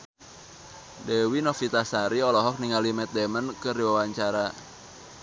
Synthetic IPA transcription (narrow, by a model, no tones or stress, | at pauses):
dɛwinɔfit̪asaɾiɔlɔɦɔk̚niŋalimɛt̪̚dɛmənkəriwawaɲt͡ʃaɾa